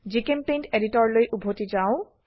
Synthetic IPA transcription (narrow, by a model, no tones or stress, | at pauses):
d͡ʒikempenteɾitɔɹlojʔubʱotid͡ʒaʊ